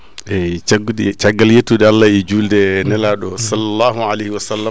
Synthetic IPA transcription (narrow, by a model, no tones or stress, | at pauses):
ʔɛaɡt͡ʃaɡːaljetːuɗɛalːaid͡ʒuldɛnɛlaɗɔsalːalːaːɦualehiwasalːa